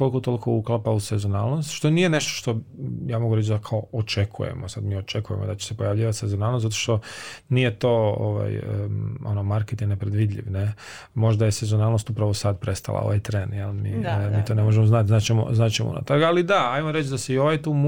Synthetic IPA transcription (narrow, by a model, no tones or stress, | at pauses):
kolkot̪o̞lˠikʰouklˠapausezona̰ːlˠnost̪ʃt̪o̞niːje̞ne̞ʃt̪o̥ʃt̪o̞jaːmo̞ɡuɾe̞t͡ʃd̪akʰaoot͡ʃekʰṵjḛmosad̪miːo̞t͡ʃe̞kuje̞̰mo̞d̪at͡ʃe̥se̞pojaʋʎiːʋat̪sezonaːlnost̪at̪oʃt̪o̞niːje̞t̪o̞ːo̰ʋa̰jə̰o̞̰nomaɾket̪ienepɾed̪ʋiːd̪ʎʲḭʋne | mo̞ʒd̪aje̞sezonaːlˠnost̪upɾaʋosad̪pɾe̞st̪a̰lˠa̰o̰ʋajt̪ɾeːnjelmimiːt̪o̞nemo̞ʒemoznat̪znaːt͡ɕemo̰znaːt͡ʃemo̰ṵna̰t̪aɾɡalid̪aajmoɾet͡ʃd̪aseio̞ʋajt̪um